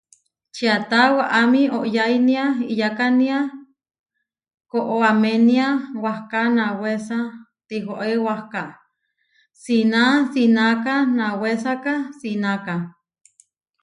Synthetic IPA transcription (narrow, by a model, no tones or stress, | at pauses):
t͡ʃiat̪awaʔamioʔjajniaijakania | koʔoameniawahkanawesa | t̪iɦoʔewahka | sinasinakanawesakasinaka